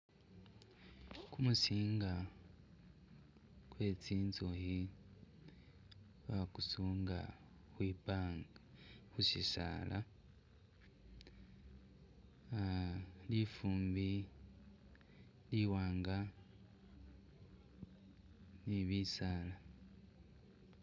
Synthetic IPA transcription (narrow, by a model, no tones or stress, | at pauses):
kumusiːŋɡa | kwe̞ːt͡siːnzohi | βakusuːŋɡa̰ | xwiːpaŋɡhusisa̰lʔa | lifuːmbi | liwaːŋɡa | niβisaːla